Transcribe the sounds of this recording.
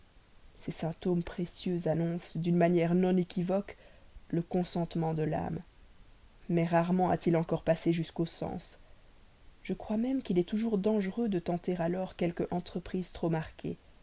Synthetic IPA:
sɛsɛ̃p̚t̪ompχesjøzanɔ̃sd̪ynmanjɛʁnɔ̃nekʲivɔkləkɔ̃sɑ̃t̪mɑ̃d̪əla̰m | mɛʁaʁmɑ̃a̰t̪ilɑ̃kɔʁpaseʒyskosɑ̰̃s | ʒ̥əkχwamɛmkilɛt̪uʒuʁd̪ɑ̃ʒəʁød̪ət̪ɑ̃t̪eʁalɔʁkʲɛlkəʔɑ̃t̪χəpχizt̪χomaʁkʲʰe

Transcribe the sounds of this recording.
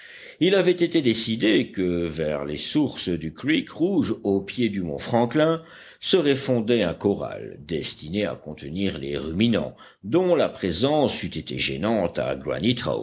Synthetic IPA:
ilavɛt̪et̪ed̪esid̪ekəvɛʁlesuʁsd̪ykʁikʁuʒopjed̪ymɔ̰̃fχɑ̃klɛ̃ | səʁɛfɔ̃d̪eɛ̃kɔʁa̰ld̪ɛst̪inea̰kɔ̃t̪əniːʁlḛʁyminɑ̰̃ | d̪ɔ̃lapχezɑ̃syt̪et̪ḛʒḛnɑ̃t̪a̰ɡwa̰nit̪χa̰

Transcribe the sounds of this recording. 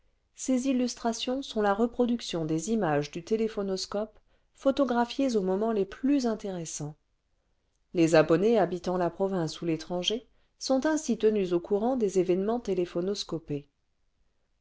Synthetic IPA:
sezilːyst̪χasjɔ̃sɔ̃laʁəpχɔd̪yksjɔ̃d̪ezimaʒd̪yt̪elefɔnɔskɔp | fɔt̪ɔɡʁafjezomɔmɑ̃leplyzɛ̃t̪eʁesɑ̃ | lezabɔneabit̪ɑ̃lapχɔvɛ̃sulet̪χɑ̃ʒe | sɔ̃t̪ɛ̃sit̪ənyzokuʁɑ̃d̪ezevɛnmɑ̃t̪elefɔnɔskɔpe

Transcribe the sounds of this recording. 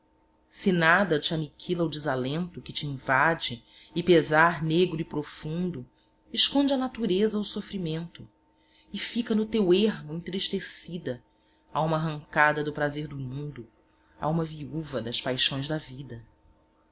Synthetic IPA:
sinad̪ɐt͡ʃianikʰilɐʊd͡ʒɪzalẽnt̪ʊkɪt͡ʃiĩvad͡ʒɪː | pezaɾneɡɾʊipɾofũnd̪ʊ | ɪʃkõnd͡ʒɪɐnat̪uɾezɐʊsofɾimẽnt̪ʊ | ɪfikɐnʊt̪eweɦmʊẽnt̪ɾiʃt̪esid̪ɐ | aũmɐːɦɐ̃ŋkad̪ɐd̪ʊpɾazeɾd̪ʊmũnd̪ʊ | a̰ũmɐviuvɐd̪ɐspajʃõj̃zd̪ɐvid̪ɐ

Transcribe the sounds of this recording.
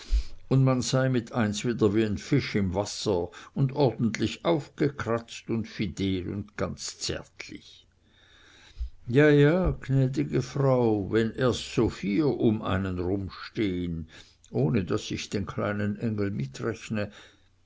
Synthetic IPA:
ʊndmanzaɪmɪtʰaɪnsv̥iːdɐviːaɪnfɪʃɪmvasɐʊndɔʁdn̩tlɪçaʊfɡ̥əkʰʁ̥at͡stʊntfidɛːlʊ̰ndɡ̥ant͡st͡sɛ̰ɐtʰlɪ̰ç | jaːjaːɡnɛːdɪɡəfʁaʊvɛnʔeːɐstsoːfiːʔʊmʔa̰ɪnənʁʊmʃteːən | ʔoːnədasɪçd̥eːnkʰla̰ɪnənʔɛŋl̩mɪtʁɛçnə

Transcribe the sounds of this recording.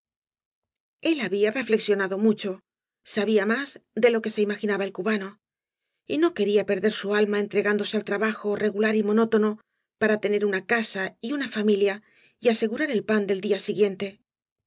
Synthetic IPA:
e̞laβiare̞fle̞ksjo̞naðo̞mut͡ʃo̞ | saβiamazd̪e̞lo̞ke̞seimaxinaβae̞lkuβano̞ | ino̞ke̞ɾiape̞ɾðe̞ɾsualmae̞nt̪ɾe̞ɣand̪o̞se̞alt̪ɾaβaxo̞re̞ɣulaɾimo̞no̞t̪o̞no̞ | paɾat̪e̞ne̞ɾunakasaiunafamilja | iase̞ɣuɾaɾe̞lpand̪e̞ld̪iasiɣje̞nt̪e̞

